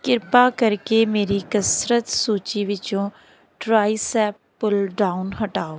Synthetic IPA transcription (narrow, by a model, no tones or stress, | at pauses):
kɪɾpakəɾkemeːɾikəsɾət̪suːt͡ʃiʋɪt͡ʃõː | ʈɾaːisɛːpːʊlɖaːʊnɦəʈaːoː